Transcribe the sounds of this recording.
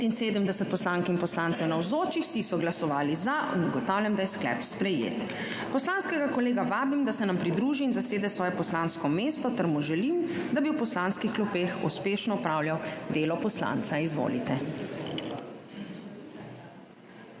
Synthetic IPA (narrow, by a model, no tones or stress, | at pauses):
t̪inseːd̪əmd̪ɛsət̪̚pɔslaŋkinpɔslaːnt̪ɛwnawzoːt͡ʃixwsisɔɡlasɔʋaːlizaʔinuɡɔt̪aːwljamd̪ajɛsklɛ̰pspɾɛjḛːt̪ | pɔslaːnskɛɡakɔleːɡaʋaːbimd̪asɛnampɾid̪ɾuːʒiːnzaseːd̪ɛsʋɔːjɛpɔslanskɔmeːst̪ɔt̪ɛɾmuʒɛlimd̪abiwpɔslanskixklupexṵspeːʃnɔɔpɾaːwljawd̪eːlɔpɔsla̰nt̪saizʋo̰ːlḭt̪ɛ